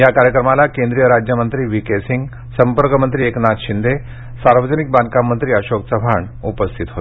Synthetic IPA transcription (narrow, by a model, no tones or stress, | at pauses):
jakaɾjəkɾəmalakẽnd̪ɾijəɾad͡ʑjəmənt̪ɾiːʋikesiŋɡ | səmpəɾkəmənt̪ɾiːeknat̪ɕind̪ʱe | saɾʋəd͡zənik̚bankamːənt̪ɾiːəɕoksəbʱaɳ | upəst̪ʰit̪ɦot̪